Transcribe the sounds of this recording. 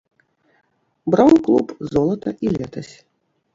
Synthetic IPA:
bɾawnklˠupzɔlˠɐt̪ɐʔilʲɛt̪ɐsʲ

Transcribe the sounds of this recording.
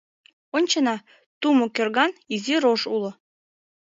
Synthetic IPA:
onʲt͡ɕənɑ | t̪umokørɣɑniziɾoʃulŏ

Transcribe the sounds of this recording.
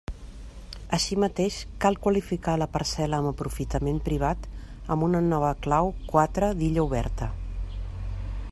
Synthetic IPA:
əʃimət̪eʃkalˠkwəlifikaləpəɾsɛləːməpɾufit̪əmempɾiβ̞at̪ | əmbunənɔβəklawkwat̪ɾəd̪iʎəuβ̞ɛ̰ɾt̪ə

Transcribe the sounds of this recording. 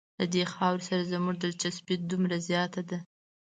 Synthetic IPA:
lad̪exɑwɾsaɾazəmuʐd̪əlt͡ʃasbɪt̪̚d̪umɾazjɑt̪ad̪a

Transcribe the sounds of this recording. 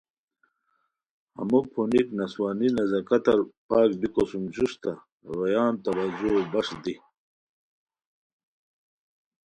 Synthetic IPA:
hɐ̰mupʰuniknɐswaːninɐzɐkɐt̪ɐɾpaːk̚bikosumd͡ʑust̪ɐ | ɾɐjaːnt̪ɐwɐd͡ʑobɐʂd̪i

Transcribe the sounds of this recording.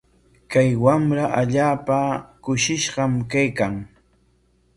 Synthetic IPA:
kajwamɾaʔaʎaːpakʊʃɪʃɢɑmkajkaŋ

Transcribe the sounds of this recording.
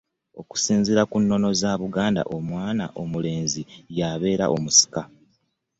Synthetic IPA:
o̞ku̥siːnziɾakunːo̞no̞zaβuɡaːnda̰ʔo̞mwaːna̰ʔo̞mule̞ːnzijaːβe̞ːɾa̰ʔo̞musi̥ka

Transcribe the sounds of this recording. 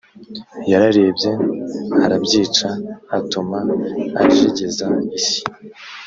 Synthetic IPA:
jaɾaɾe̞ːbɟe̞haɾabɟiːt͡ʃahatumaː | ʒiɟezaisi̥

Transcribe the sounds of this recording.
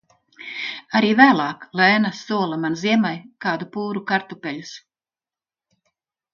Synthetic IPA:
aɾiːvæːlˠɑːklɛːnasuɔlˠamanziɛmajkaːd̪upuːɾukaɾt̪upʲɛʎʲus

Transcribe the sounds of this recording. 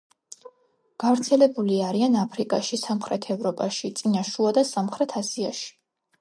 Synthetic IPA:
ɡ̥avɾt̪sʰɛlɛbuliaɾianapʰɾikʼaʃisamχɾɛt̪ʰɛvɾɔpʼaʃit̪sʼinaʃuad̪asamχɾɛt̪ʰasiaʃi̥

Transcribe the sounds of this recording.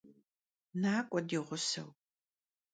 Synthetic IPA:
naːkʷʼɔdiːʁʷʊsɐ̰w

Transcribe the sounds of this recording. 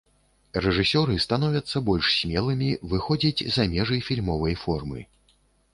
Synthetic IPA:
rɛʐɨsʲɔɾɨst̪an̪ɔvʲɐt̪sːɐbɔlʲʂsʲmʲɛlˠɨmʲivɨxɔd͡zʲid͡zʲzɐmʲɛʐɐjfʲilʲmɔvɐjfɔrmɨ̰

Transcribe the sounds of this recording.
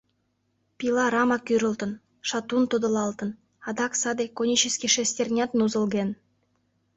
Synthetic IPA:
pʲilɑɾɑmɑkyɾə̆lt̪ə̆n | ʃɑt̪unt̪ud̪ɤ̆lɑlˠt̪ɤ̆n | ɑd̪ɑksɑd̪ekonʲit͡ɕeskʲiʃesʲt̪ʲerʲnʲɑt̪nuzə̆lɡen

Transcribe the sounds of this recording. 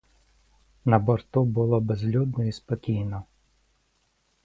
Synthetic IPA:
nɐbɔɾt̪ubʊlˠɔbezlʲud̪̚nɔispɔkʲijnɔ

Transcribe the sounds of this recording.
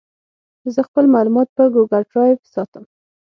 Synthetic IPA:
zəxpəlmɑlumɑt̪̚pəɾɡoɡalɖɾɑjvsɑt̪əm

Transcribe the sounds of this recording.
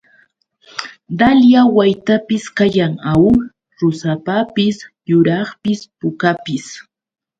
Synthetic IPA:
d̪aljawajt̪apɪskajaŋaw | ɾʊsapapɪsjʊɾɑχpɪspʊkapɪs

